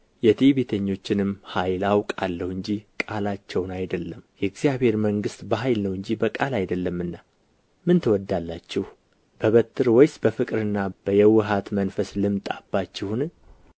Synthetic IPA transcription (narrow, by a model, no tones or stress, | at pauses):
jɛt̪ʰiβe̞t̪ʰəɲːo̞t͡ʃːɪnɨmhajlawkʼalːəhɨɲd͡ʒikʼalat͡ʃːɛwnajd̪əlːəmjɛɡzijaβhe̞ɾməŋɡɨst̪bəɦajlnəwɨɲd͡ʒibəkʼalajd̪əlːəmɨnːa | mɨnt̪ʰəwɔd̪ːalːat͡ʃːɪh | b̥əβət̪ʰːɨɾwɔjsbəfɨkʼɾɨnːab̥əjɛwːɨɦat̪mənfəslɨmt̪ʼabːat͡ʃːɪhunɨ